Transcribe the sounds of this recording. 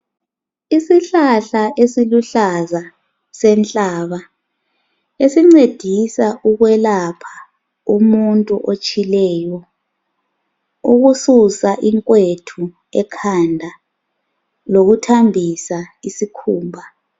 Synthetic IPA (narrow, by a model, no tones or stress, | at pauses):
isiɬaɬaʔesiluɬaza | sɛnt͡ɬʼaːβa | esiŋ͡ǀed̥ʱisaʔuɣwɛlapʰḁ | umuntʼuʔot͡ʃʼilɛːjɔ | uɣususaʔiŋkʼwetʰu | ɛkʰandʱa | loɣutʰambʱisaisikʰuːmbʱa